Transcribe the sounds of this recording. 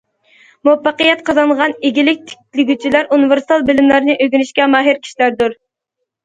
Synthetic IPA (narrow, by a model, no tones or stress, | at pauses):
muɛpːɑqəjɛt̪̚qʰɑzɑɴʁɑneɡʲilɪk̚ʲt̪ʰɪ̥k̚ʲt̪ʰʲlɪɡʲyt͡ʃʰilæɾʔuniveɾsi̥t̪ɑlˠbɪlɪmlæɾnɨʔøɡʲynyʃkʲɛmɑːɦɪɾkʲʰi̥ʃilæɾd̪uɾ